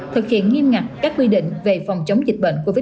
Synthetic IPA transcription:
t̪ʰɨ˨˩k̚hḭ˧˨ənŋi˧əmŋa˨˩k̚kaː˦˥k̚kwi˧ɗḭ̈˧˨ŋ̟ve˨˩fa˨˩wŋ͡mt͡ɕə˨˦wŋ͡mzï˨˩k̟̚ɓə̰˧˨nku˧˩vi˦˥

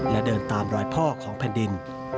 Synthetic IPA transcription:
la˦˧˩dɤː˧nt̪aː˧mɾɔː˧jpʰɔː˥˩kʰɔː˩˦ŋpʰɛː˧ndi˧n

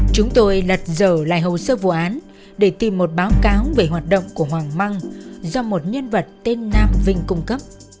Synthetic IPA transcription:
t͡ɕʊ˨˦ŋ͡mt̪o˧jlə˨˩t̚zəː˧˩la̰ː˧˨jɦə˨˩wsəː˧vṵ˧˨ʔaː˨˦n | ɗe˧˩t̪i˨˩mːo˨˩t̚ɓaː˨˦wkaː˨˦wve˨˩ɦwaː˨˩t̚ɗə̰˧˨wŋ͡mku˧˩əɦwaː˨˩ŋma˧ŋzɔ˧mo˨˩t̚ɲə˧nvə˨˩t̚t̪e˧nːaː˧mvï˧ŋ̟kʊ˧ŋ͡mkə˦˥p̚

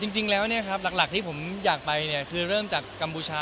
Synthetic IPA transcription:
t͡ɕi˧ŋt͡ɕi˧ŋlɛː˦˥wni˥˩ɐkʰɾa˦˥p̚la˨˩k̚la˨˩k̚t̪ʰiː˥˩pʰo˩˦mjaː˨˩k̚pa˧jni˥˩ɐkʰɯː˧ɾɤː˥˩mt͡ɕaː˨˩kːa˧mpuː˧t͡ɕʰaː˧

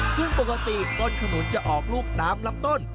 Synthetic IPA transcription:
sʰɯ˥˩əŋpo˨˩kːa˧t̪iː˨˩kɔː˧nkʰa˧nu˨˩˦nt͡ɕa˨˩ʔɔː˨˩k̚luː˥˩k̚daː˦˥mla˦˥p̚t̪o˥˩n

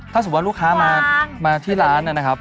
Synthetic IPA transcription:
t̪ʰa˥˩su˨˩waː˥luː˦˥˩kʰaː˦˥maː˧maː˧t̪ʰiː˥˩ɾaː˦˥nʔa˥˩na˦˥kʰa˦˥p̚

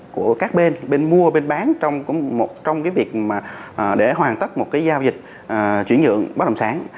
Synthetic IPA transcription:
ku˧˩əkaː˦˥k̚ɓe˧nɓe˧nmu˧əɓe˧nɓaː˨˦nt͡ɕɔ˧wŋ͡mmo˨˩t̚t͡ɕɔ˧wŋ͡mkaː˨˦jvi˨˩ək̚maː˨˩ʔːɗe˧˩ɦwaː˨˩nt̪ə˦˥t̚mo˨˩t̚kaː˨˦jzaː˧wzï˨˩k̟̚ | ʔːt͡ɕwi˧˩ənɲɨ̰˧˨əŋɓaː˦˥t̚ə˨˩ŋ͡msaː˨˦ŋ

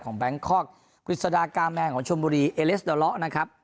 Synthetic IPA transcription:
kʰɔː˩˦ŋbɛ˦˥ŋkʰɔː˥˩k̚ | pʰɾi˨˩t̪̚sa˧daː˧kaː˧mːɛː˧kʰɔː˩˦ŋt͡ɕʰu˧mbuː˧ɾiː˧ʔeː˧le˦˥sdɔː˧lɔ˦˥ʔna˦˥kʰɾa˦˥p̚

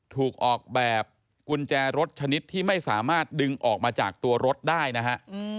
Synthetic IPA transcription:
t̪ʰuː˨˩k̚ʔɔː˨˩k̚bɛː˨˩p̚ | ku˧nt͡ɕɛː˧ɾo˦˥t̪̚t͡ɕʰa˧ni˦˥t̪ʰːiː˥˩ma˥˩jsaː˩˦maː˥˩t̪̚dɯ˧ŋʔɔː˨˩k̚maː˧t͡ɕaː˨˩k̚t̪u˧ɐɾo˦˥t̪̚daː˥˩jna˦˥kʰa˦˥ʔ

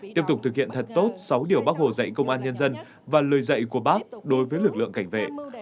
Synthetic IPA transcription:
t̪i˦˥p̚t̪ʊ˨˩k͡p̚t̪ɨ˨˩k̚hḭ˧˨ənt̪ʰə˨˩t̚t̪o˦˥t̚sa˨˦wɗi˧˩əwɓaː˦˥k̚ho̰˧˨˩zə̰˧˨jkə˧wŋ͡mʔaː˧nɲə˧nzə˧n | vaː˨˩ləː˨˩jzə̰˧˨jku˧˩əɓaː˦˥k̚ɗo˨˦jvəː˨˦jlɨ˨˩k̚lɨ̰˧˨əŋka˧˩jŋ̟vḛ˧˨

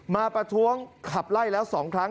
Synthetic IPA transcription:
maː˧pɾa˧t̪ʰu˦˥əŋkʰa˨˩p̚la˥˩jlɛː˦˥wsɔː˩˦ŋkʰɾa˦˥

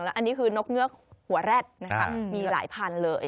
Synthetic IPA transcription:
ŋlɛː˦˥wʔa˧nːiː˦˥kʰɯː˧no˦˥k̚ŋɯ˦˥ɐk̚hu˨˩˦ɐɾɛː˥˩t̪̚na˦˥kʰa˦˥miː˧la̰ː˩˦jpʰaː˧nlɤː˧j

